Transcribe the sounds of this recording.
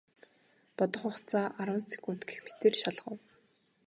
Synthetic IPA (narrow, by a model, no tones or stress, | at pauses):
pɔt̪ɞ̆χʊχt͡saːʔaɾwə̆nst͡sʰi̥kun̥t̪ɡĕ̥xmet̪eːrʃaɮʁə̆w